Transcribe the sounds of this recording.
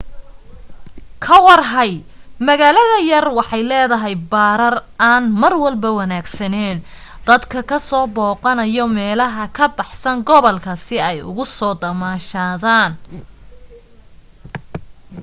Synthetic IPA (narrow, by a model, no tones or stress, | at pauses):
kʰɐwɑrɦɐj | mɐɣaːlɐðɐjɐrwɑħɑjlɛːðɐɦɛjbaːɾɐraːnmɐrwɐlbɐwɐnaːɡsɐnɛːn | d̪̥ɐd̪kʰɐkʰɐsɔːbɔːqɑnɐjɔmɛːlɐɦɐkʰɐbɑħsɐŋɡɔβɔlkʰɐsɪɛjʊ̰ɣʊsɔːd̪ɐmaːʃaːðaːn